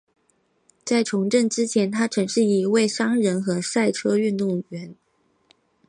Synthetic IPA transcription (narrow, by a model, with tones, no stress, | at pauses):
t͡sa˥˩ɪʈ͡ʂʰʊ˧˥ŋʈ͡ʂə˥˩ŋʈ͡ʂɻ̩˥t͡ɕʰjɛ˧˥nt̪ʰa˥ʈ͡ʂʰɤ˧˥ŋʂɻ̩˥˩i˨˩˥we˥˩ɪʂɑ˥ŋɻə˧˥nxɤ˧˥sa˥˩ɪʈ͡ʂʰɤ˥y˥˧nt̪u˥˩ŋɥɛ˧˥n